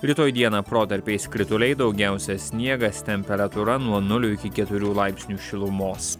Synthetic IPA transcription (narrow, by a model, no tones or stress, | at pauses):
ɾʲɪt̪oːjd̪ʲiɛnɑːpɾoːt̪ɐɾʲpʲeɪskɾʲɪt̪ʊlʲɛɪd̪ɒʊɡʲæˑʊsʲɛsʲnʲiɛɡɐst̪ʲɛmʲpʲɛɾɐt̪ʊɾɐnuɔnʊlʲʊɪkʲɪkʲɛt̪ʊɾʲuːlˠɑɪpʲsʲnʲuːʃʲɪlˠʊmoːs